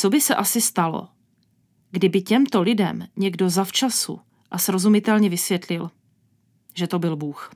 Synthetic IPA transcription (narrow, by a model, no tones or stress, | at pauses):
t͡so̞bɪsɛʔasɪst̪alo̰ | ɡdɪbɪcɛmt̪o̞lɪdɛ̰mɲɛɡdo̞zaft͡ʃasṵ | ʔasɾo̞zumɪt̪ɛlɲɛvɪsvjɛt̪lɪl | ʒɛt̪o̞bɪlbuːx